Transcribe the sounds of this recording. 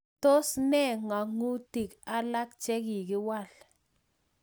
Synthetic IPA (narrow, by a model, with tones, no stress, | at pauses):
to˦snɛ˦ŋa˨ŋu˦ti˨ka˦la˦k̚t͡ʃɛ˦ki˨kɪ˦wa˦˨l